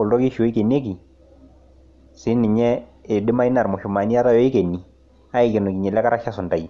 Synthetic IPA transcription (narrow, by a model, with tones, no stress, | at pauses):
ʊ˨ldɔ˦kɪ˦ʃo˨˦i˦ke˨ne˦k̬i˨ | sɪ˨˦nɪ˨ɲɛ˦ɪ˨dɪ˦ma˦i˦na˨ɾmʊ˨ʃʊ˨ma˨ni˦a˦ta˦jɔ˦i˦ke˨ni˨ | a˦ɪ˨kɛ˨nɔ˨ki˨ɲɛ˨lɛ˦ka˦ɾa˦ʃa˦sʊ˨nda˨i˨